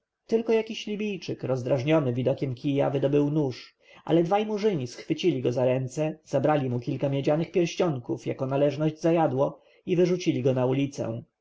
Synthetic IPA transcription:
t̪ɘlkɔjakʲiɕlʲibʲijt͡ʂɘkɾɔzd̪ɾaʐɲɔnɘvʲid̪ɔkʲɛmkʲija̰vɘd̪ɔbɘwnuʂ | ʔa̰lɛd̪vajmuʐɘɲisxfɘt͡ɕilʲiɡɔzaɾɛnt̪sɛz̥abɾalʲimukʲilkamʲjɛd͡ʑanɘxpʲjɛɾɕt͡ɕɔŋkufja̰kɔnalɛʐnɔʑd͡ʑzajad̪wɔ | ivɘʐut͡ɕilʲiɡɔnaulʲit̪sɛ̰w̃

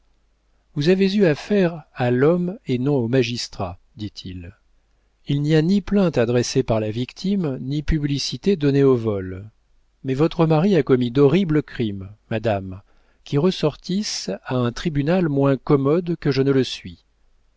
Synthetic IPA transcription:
vuzavezyafɛʁalɔmenɔ̃omaʒist̪χa̰ | d̪it̪ʰil | ilnianiplɛ̃t̪ad̪ʁɛsepaʁlavikt̪ʰimnipyblisit̪ed̪ɔneovɔl | mɛvɔt̪χəmaʁiakɔmid̪ɔʁibləkχimːad̪am | kʲiʁəsɔʁt̪isaɛ̃t̪χibynalmwɛ̃kɔmɔd̪kəʒənələsɥi

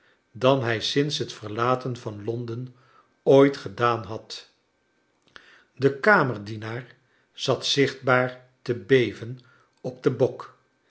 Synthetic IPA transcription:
dɑnɦɛjsɪnsɦətfəɹlaːtənvɑnlɔndən | ojtχədaːnɦɑt | dəkaːməɹdinaːɹ | z̥ɑtsɪχd̚baːɹ | təbejvən | ɔb̚dəbɔk

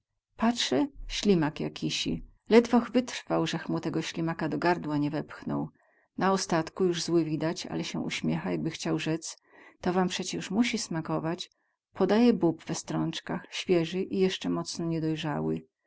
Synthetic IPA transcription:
patʂɛɕlʲimakja̰kʲʰiɕḭlɛd̪vɔxvɘt̪ɾfawʐɛxmut̪ɛɡɔɕlʲimakad̪ɔɡaɾd̪waɲɛvɛpxnɔ̰w | naɔst̪at̪kujuʐzwɘvʲid̪at͡ɕa̰lɛɕɛʔṵɕmʲjɛxajaɡ̚bɘxt͡ɕawʐɛt̪s | t̪ɔvampʂɛt͡ɕɛuʂmuɕismakɔvat͡ɕ | pʰɔd̪ajɛbupv̥ɛst̪ɾɔnt͡ʂkaxɕfʲjɛʐɘʔijɛʂt͡ʂɛmɔt̪snɔɲɛd̪ɔjʐawɘ̰

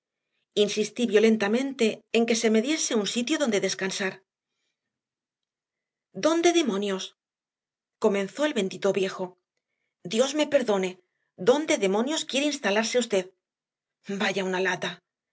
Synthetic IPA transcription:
insist̪iβjo̞le̞nt̪amẽ̞nt̪e̞ːŋke̞se̞me̞ðje̞se̞unsit̪joðo̞nd̪e̞ðe̞skansaɾ | d̪o̞nd̪e̞ðemõ̞njo̞s | ko̞mẽ̞nθo̞elβe̞nd̪it̪oβje̞xo̞ | d̪jo̞zme̞pe̞ɾðo̞ne̞ | d̪o̞nd̪e̞ðe̞mo̞njo̞skje̞ɾeinst̪alaɾseust̪e̞ð | baʝaunalat̪a

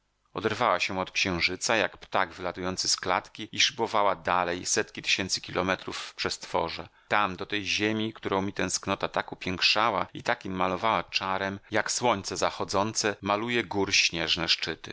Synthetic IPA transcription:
ɔ̰d̪ɛɾvawaɕɛɔt̪kɕɛ̃w̃ʐɘt̪saja̰kpt̪aɡvɘlat̪ujɔnt̪sɘskla̰t̪kʲiiʂɘbɔvawad̪alɛjsɛt̪kʲit̪ɘ̥ɕɛnt̪sɘ̥kʲilʔɔmɛt̪ɾufːpʂɛst̪fɔ̰ʐɛ | t̪amd̪ɔt̪ɛjʑemʲikt̪uɾɔ̃w̃mʲit̪ɛ̃w̃sknɔt̪at̪akupʲjɛŋkʂawaḭt̪akʲimːalɔvawat͡ʂaɾɛmjakswɔɲt̪sɛzaxɔd̪zɔnt̪sɛmalujɛɡuɾɕɲɛʐnɛʂt͡ʂɘt̪ɘ̰

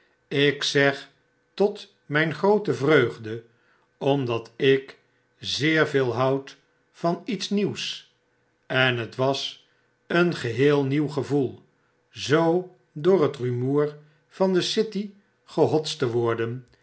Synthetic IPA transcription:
ɪksɛχ | tɔt | mɛjnχrowtəvrøɥχdə | ɔmdɑtɪk | zɪːɹveːlˠɦʌwt | fɑnitsniws | ɛnɦətʋɑs | ənχəɦɪːlˠniwχəvulˠ | zow | dʊːɹɦətrymuːɹ | v̥ɑndəsɪti | χəɦɔtstəʋɔɹdən

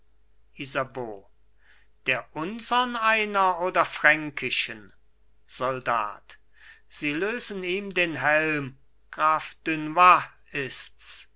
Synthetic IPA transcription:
ʔizaboː | d̥eːɐʔʊnzɐnaɪnɐoːdɐfʁ̥ɛŋkʰɪʃən | z̥ɔlda̰ːt | z̥iːløːzəniːmdeːnɦɛlm | ɡ̥ʁaːfd̥ʏnva | ɪsts

